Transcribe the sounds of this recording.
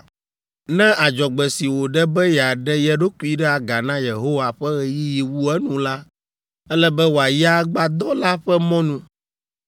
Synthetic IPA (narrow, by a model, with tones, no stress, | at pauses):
nɛ̃˦ʔa˨d͡ʒɔ˨ɡ͡bɛ˨si˨wo˨ɖɛ˦bɛ˦jɛ˨a˨ɖɛ˦jɛ˦ɖo˦ku˦i˦ɖɛ˦a˨ɡa˨nã˦je˨ɦo˦wa˨ɸɛ˦ɣɛ˨ji˦ji˨wu˦ɛ˦nũ˨la˦ | ɛ˦lɛ˦bɛ˦wo˨a˨ji˦a˦ɡ͡ba˦d̪ɔ˦la˦ɸɛ˦mɔ̃˦nũ˦